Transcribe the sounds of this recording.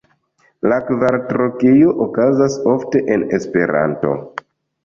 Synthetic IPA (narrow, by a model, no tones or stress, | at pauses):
lakvaɾtɾokijoʔokazaso̞fte̞ʔenespe̞ɾa̰nto̞̰